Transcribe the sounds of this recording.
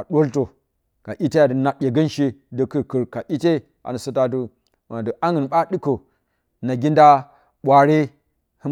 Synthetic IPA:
a˨ɗʷo˦lto˨ | ka˨ʔi˦te˦ja˨də˨na˨ɓʲe˨ɡə˦nʃi˦də˨kə˨ɾkə˨ɾka˨ʔi˦te˦ | a̰˨nə˨su˦ta˦t̬u˦ | wa˨na˨də˨ʔa˦ŋə˨nɓa˦ɗi˦ko˨ | na˨ɡʲi˦nda˦ | ɓʷa˨ɾe˦ | hə˦

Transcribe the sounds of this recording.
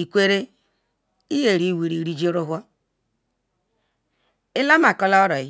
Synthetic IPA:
i˨kʷe˦ɾe˦ | i˦je˨ɾi˦˨wi˨ɾi˨ɾi˦d͡ʒi˦ɾo˦ɦʷɔ˦ | ɪ˦la˦ma˨kɔ˦la˦ɾɔ˨˦

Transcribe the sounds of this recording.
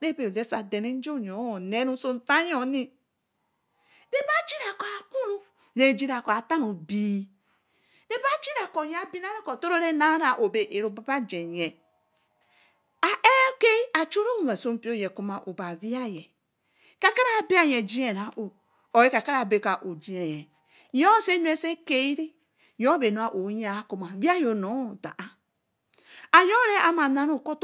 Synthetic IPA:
ɾe˦be˨le˦sa˨de˨ne˦n̩˦d͡ʒo˦˨ɲ˨ɔ˨˦˨nɛ˦nũ˦so˦n˦ta˦ɲ˦ɔ˦˨˦ni˦ | ɾe˦ba˦t͡ʃi˦ɾa˨kɔ˨a˨ku˦ɾu˦ | ne˨d͡ʒi˦ɾa˨kɔ˨a˨ta˦nu˨bi˨˦ | ɾe˦ba˦t͡ʃi˦ɾa˨kɔ˨ɲ˦a˨˦bi˦na˦ɾe˦kɔ˨to˦ɾo˦ɾe˦na˦ɾa˨ʔo˨be˨ʔe˨ɾo˨ba˦ba˦d͡ʒɛ˨ɲɛ˨ | a˨ʔe˦ke˦a˨t͡ʃu˦ɾo˦mu˨wa˨so˦m˦pi˦o˦je˨ku˦ma˨ʔo˨ba˨vi˦a˦jɛ˨ | ka˦ka˦ɾa˦˨bi˦a˦je˨d͡ʒi˦e˨ɾa˨ʔo˨ | o˨e˦ka˨ka˦ɾa˦˨be˨ka˨ʔo˨d͡ʒi˨˦e˨jɛ˨ | jo˦se˦n˦e˦se˦ke˦i˦ɾi˦ | jo˦be˨no˨˦a˦˨ʔo˨˦ja˨˦ku˦ma˨vi˦a˦jo˨no˨˦˨da̰˨ʔa˦ | a˨jo˦ɾe˦a˨˦ma˨na˦ɾo˦˨ko˦t

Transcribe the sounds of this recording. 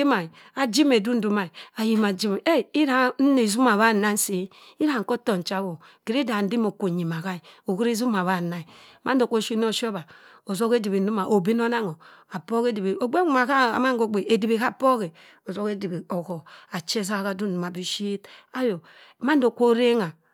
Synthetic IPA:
i˦ma˨i˨ | a˨d͡ʒi˦me˨du˦n̩˦du˦ma˨i˨a˨ji˨ma˨d͡ʒi˦m˨e˦i˦ɾa˨˦n̩˦ne˨zu˦ma˨βa˦˨na˦n˦si˨ | i˦ɾa˨ŋ̩˨ko˦to˨n˨t͡ʃa˦wo˨ | ke˨ɾi˦da˨n̩˦di˦mo˨ko˨ɲi˨ma˨ka˦i˨o˨ku˦ɾi˦zu˦ma˨βa˦˨na˨i˨ | ma˦n˦do˨ko˦ʃi˦n˦o˦ʃo˦ba˨ | o˨zo˦ke˦di˨bi˨n̩˦du˦ma˨ʔo˨bi˦n˦o˦na˦ŋo˨ | a˨po˦ke˦di˨be˨o˨ɡ͡be˦u˦ma˨ka˦a̰˨ma˦ŋ˦ɡo˨ɡ͡be˨e˨di˨be˨ka˦˨po˦ke˨ | o˨zo˦ke˦di˨bi˨o˨ko˨a˨t͡ʃe˦s̬a˦˨ka˨du˦n̩˨du˨ma˨bi˦ʃi˦ta˦jo˨ | ma˦n˦do˨ko˦ɾe˦ŋa˨

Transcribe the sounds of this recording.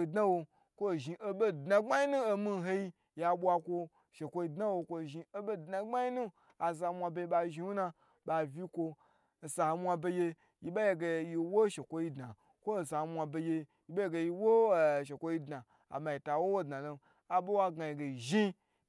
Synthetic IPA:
i˧dna˦wo˧ | kʷo˦˨ʒi˨ʔo˦be˦dna˨ɡ͡ba˦ji˦nu˦o˧mi˦ɦe˧ji˧ | ja˧ɓʷa˧kʷo˧ | ʃe˨kʷo˧ji˧dna˦wo˧kʷo˧˨ʒi˧o˦bo˦˨dna˨ɡ͡ba˦ji˦nu˦ | a˨s̬a˧mʷa˧be˧je˧˦ɓa˧ʒi˧wu˦na˧ | ɓa˧vʲi˦kʷo˧˨ | sa˨ho˧mʷa˧be˧je˧ | ji˨ba˦je˧ɡe˧ji˧wo˦ʃe˨kʷo˦ji˧dna˨ | kʷo˦˨sa˨hmʷa˧be˧je˧ | ji˦ɓa˦je˦ɡe˧ji˧wo˦˨ʃ̬e˨kʷo˧ji˧dna˨ | a̰˨ma˧˨ji˨ta˨wo˦wo˦dna˨lo˧ | a˨bo˦wa˦ɡa˨ji˨ɡe˨ʒi˦

